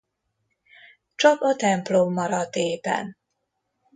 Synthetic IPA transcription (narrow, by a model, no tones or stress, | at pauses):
t͡ʃɒkɒt̪ɛmplomːɒɾɒd̪eːbɛ̰n